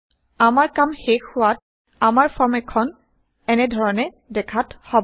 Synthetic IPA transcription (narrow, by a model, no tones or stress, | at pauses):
amaɹkamxexʊwat̚ | amaɹfʰɔɹmɛkʰɔn | ɛnɛdʱɔɹɔnɛ | dɛkʰathɔb